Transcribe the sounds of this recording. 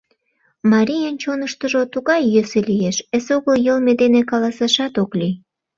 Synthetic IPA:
mɑɾʲijənt͡ɕonəʃt̪əʒot̪uɣɑjːøselijeʃesoɣəljəlmed̪enekɑlɑsɑʃɑt̪okli

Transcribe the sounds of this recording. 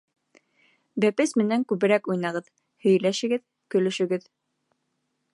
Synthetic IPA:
bæpɘsmɘ̆næŋkʉβɘ̆ɾækujnɑʁɤð | hɵ̆jlæʃɘ̆ɡɘð | kɵ̆lɵ̆ʃɘ̆ɡɘð

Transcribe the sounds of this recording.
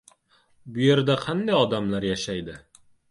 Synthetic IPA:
bʊje̞ɾd̪aqʰɑnd̪ajɒd̪amlaɾjaʃajd̪ɪ

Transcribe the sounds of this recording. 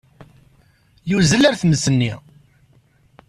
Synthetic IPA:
juzəlæɾθməsənːḭ

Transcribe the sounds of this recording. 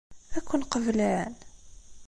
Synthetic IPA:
ækʷːʊnqəvlaʕən

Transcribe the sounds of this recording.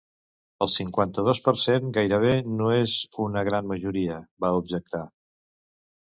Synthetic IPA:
əlˠsiŋkwant̪əð̞ospəɾseŋɡajɾəβ̞enoezunəɣ̞ɾanməʒuɾiəβaubʒək̚t̪a

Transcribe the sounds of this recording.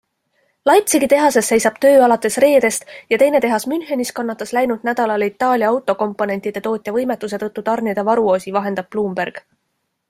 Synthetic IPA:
lɑjt̪siɡit̪e̞ɦɑse̞sːe̞jsɑb̥t̪ø̞ːɑlɑt̪ːˑe̞sre̞ːd̪̥e̞st̪jɑt̪e̞jne̞t̪e̞ɦɑsmynhe̞niskɑnːɑt̪ːˑɑslæjnud̪næd̪̥ɑlɑlit̪ːˑɑːlʲjɑwt̪ːˑo̞ko̞mpːˑo̞ne̞nʲt̪id̪̥e̞t̪o̞ːt̪ʲˑjɑvɤjmet̪ːˑus̬e̞t̪ɤ̞t̪ːut̪ɑrnid̪̥evɑɾuo̞ːsivɑɦe̞nd̪̥ɑb̥̚pluːmb̥erɡ̥

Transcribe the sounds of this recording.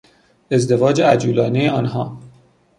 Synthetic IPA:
e̞zd̪e̞vɒːd͡ʒeæd͡ʒuːlɒːnejeɒːnɦɒː

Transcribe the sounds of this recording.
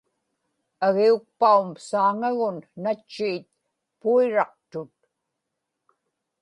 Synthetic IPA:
aɣiuk̚paumsaːŋaɣʊnːat͡ʃːiːt̪̚ | puiɻɑq̚t̪ʊt̪̚

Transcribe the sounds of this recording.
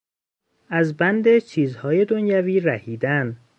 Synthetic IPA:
ʔæzbænd̪e̞t͡ʃʰiːzhɒːje̞d̪onjæviːɾæhiːd̪æn

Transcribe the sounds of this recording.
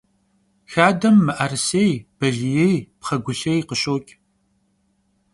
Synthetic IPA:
xaːdɐmːɨʔɐrsejb̥ɐɮijejpχɐɡʷʊɬejqəɕʼoːkʲʼ

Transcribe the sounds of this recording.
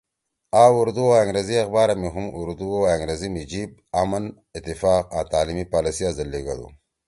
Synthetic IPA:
auɾd̪uaaŋɡɾeziɐxbaːɾamiɦumuɾd̪uoaŋɡɾezimid͡ʒiːb̚amɐn | ɪt̪ːifaːqãt̪aːlimipaːlisiazɐlːeɡa̰d̪ṵ

